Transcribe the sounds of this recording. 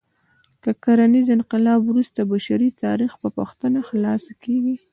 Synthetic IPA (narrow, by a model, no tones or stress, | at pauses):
kəkaɾanizɪnqɪlɑbwɾust̪abaʃaɾit̪ɑ̰ɾixpəpəxt̪ənaxlɑsakeɡi